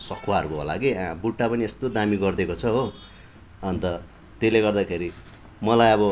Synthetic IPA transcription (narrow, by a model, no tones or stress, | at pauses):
sʌkʰwaʌrukoɦo̰la̰keãbuʈːapʌniest̪od̪amiɡʌrd̪ekot͡sʰʌɦo | ʌnt̪ʌ | t̪eleɡʌrd̪akʰeɾi | mʌlajʌβʌ